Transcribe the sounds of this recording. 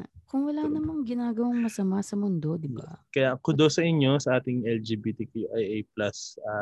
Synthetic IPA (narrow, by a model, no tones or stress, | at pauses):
kʊŋwɐlanɐmɐŋɡɪnaːɡɐwaŋmɐsɐmasɐmʊnd̪o̞d̪ɪba̰kɐjakʊd̪osɐʔɪɲjo̞sɐʔaːt̪ɪŋʔɛld͡ʒɛbit̪ikuʔajʔejp̚lɐsa